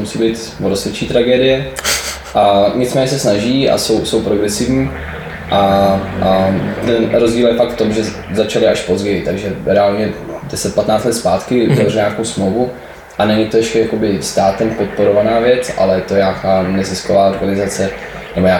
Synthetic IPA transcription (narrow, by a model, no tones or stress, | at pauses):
musiːbiːt̪ | vɾosɛt͡ʃiːt̪ɾaɡɛːdɪjɛ | ʔaɲɪt͡smɛːɲɛsɛsnaʒiːa̰so̞wso̞wpɾo̞ɡɾɛsɪvɲiː | ʔa | t̪ɛnɾozɟiːljɛfakt̪ft̪o̞mʒɛ | zat͡ʃalɪaʃpo̞zɟɛjɪt̪aɡʒɛɾɛaːlɲɛdɛsɛt̪̚pat̪naːt͡st̪lɛt̪spaːt̪kɪuzavrɛɲako̞wsmlowvu | ʔanɛɲɪt̪oɛʃcɛjako̞bɪst̪aːt̪ɛmpo̞t̪̚po̞ɾo̞vanaːvjɛt͡sʔa̰lɛjɛt̪o̞jaːkaːnɛzɪskovaːo̞ɾɡanɪzat͡sɛ | nɛbojaː